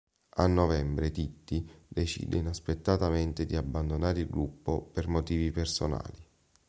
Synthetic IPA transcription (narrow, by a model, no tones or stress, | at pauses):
anːɔvɛmbɾet̪it̪ːid̪et͡ʃḭːd̪einaspet̪ːat̪ament̪ɪd̪iabːand̪onaːɾilɡɾupːo̰permot̪iːvipersona̰ːli